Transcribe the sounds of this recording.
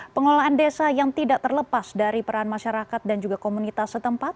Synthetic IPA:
pəŋolaːndesajaŋt̪idaʔ̚t̪ərləpasdaɾipəɾaanmaʃaɾakat̪̚dand͡ʒuɡakomunit̪asːət̪əmpat̪̚

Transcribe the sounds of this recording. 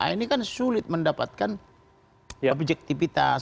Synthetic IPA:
a̰inikansulɪt̪̚məndapat̪̚kan | obd͡ʒɛk̚t̪ifit̪as

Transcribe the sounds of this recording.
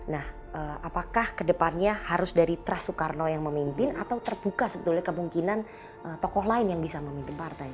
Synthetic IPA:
nah | ʔəːapakahkədəpanɲahaɾʊsdaɾit̪ɾasukarnojaŋməmimpɪnat̪awt̪ərbukasəbət̪ulɲakəmuŋkinan | ʔət̪ɔkɔɦlaɪnjaŋbisaməmimpɪnpart̪aj

